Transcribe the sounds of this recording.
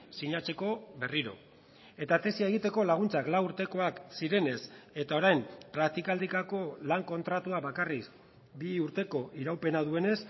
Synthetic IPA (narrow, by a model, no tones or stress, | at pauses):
siɲat͡se̞ko̞be̞riɾo̞̰ | e̞t̪at̪e̞siae̞ɣ̞it̪e̞ko̞laɣ̞unt͡saklauɾt̪e̞ko̞aksiɾe̞ne̞se̞t̪ao̞ɾajmpɾak̚t̪ikald̪ikako̞laŋko̞nt̪ɾat̪uaβakaris | biuɾt̪e̞ko̞ʔiɾawpe̞nað̞ue̞ne̞s